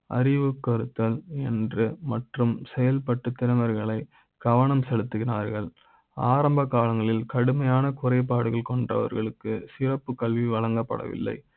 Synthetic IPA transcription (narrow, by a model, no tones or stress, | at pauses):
ʔɐ̰ɾɪʋɯkːɐɾɯt̪ːɐlɛndrɯmɐʈrɯmsɛjɐlpɐʈːɯt̪ːɪnɐʋɐɾɣɐɭɐɪ | ɡ̥ɐʋɐɳɐmsɛlɯt̪ːɯɣɪnaːɾɣɐɭ | aːɾɐmbɐkːaːlɐŋɡɐɭɪlkɐɽɯmɐjaːnɐkʊrɐɪp̬ːaːɽɯɣɐɭkɔɳdrɐ̰ʋɐ̰ɾɣɐɭɯkːɯsɪrɐpːɯkːɐɭʋiʋɐlɐŋɡɐpːɐ̰ɽɐ̰ʋɪ̰lːɐ̰ɪ